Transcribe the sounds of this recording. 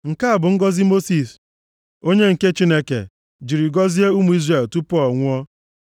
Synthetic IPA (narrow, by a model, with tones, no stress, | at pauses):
ŋ̩˨ka˦a˨bʊ˨ŋ̩˦ɡɔ˦zi˦mo˦si˨s | o˦ɲe˦ŋ̩˨ke˦t͡ʃi˦ne˦kḛ˨ | d͡ʒi˨ɾi˨ɡɔ˦zi˦e˦u˦mu˨˦i˦zre˨ltu˦pʊ˦ɔ˦˨ŋʷʊ˦ɔ˦